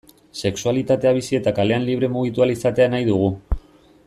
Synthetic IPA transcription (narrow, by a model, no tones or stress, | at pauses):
se̞ksualit̪at̪e̞aβ̞isie̞t̪akale̞anliβ̞ɾe̞muɣ̞it̪̬ualisat̪e̞anajðuɣ̞u